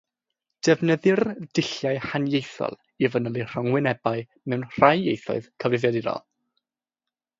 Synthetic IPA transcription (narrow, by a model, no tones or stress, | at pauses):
d̥ɛvnəðɨrdɪɬjaɨhanjejθɔ̰lˠ | ivənəlˠir̥əŋwɪnɛbaɨ | mɛwnr̥ajjejθɔ̰ɨð̥kʰəvrɪvjadiɾɔ̰lˠ